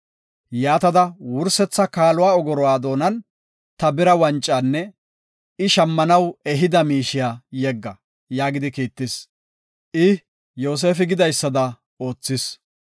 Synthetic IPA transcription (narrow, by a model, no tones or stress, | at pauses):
jaːt̪ɐd̪ɐwʊɾsɛt͡sːɐkaːlʊwaːɔɡɔɾɔwaːd̪o̞ːnɐn | t̪ɐbɪɾɐwɐnt͡ʃʼːaːnːɛ | ɪʃɐmːɐnɐwɛɦɪd̪ɐmiːʃɪjaːjɛɡːɐ | jaːɡɪd̪ɪkiːt̪ːɪs | ʔɪ | jo̞ːs̬e̞ːfɪɡɪd̪ɐjsːɐd̪ɐ | o̞ːt͡sːɪs